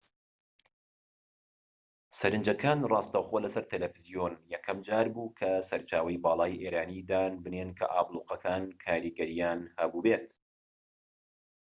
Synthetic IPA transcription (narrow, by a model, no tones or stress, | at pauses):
sɐɾɨnd͡ʒɐkʰaːnrˤɑːst̪ɐwxolɐsɐɾt̪ʰelefizijoːnjɛkʰɐmd͡ʒaːɾbuːkʰɐsɐɾt͡ʃaːwɐjbɑːlˠɑːjʔeːɾaːniːd̪aːnbɨnenkʰɐ̰ʔa̰ːblˠuːqɐkʰaːnkʰaːɾiːɡɐɾijaːnhɐbuːbeːt̪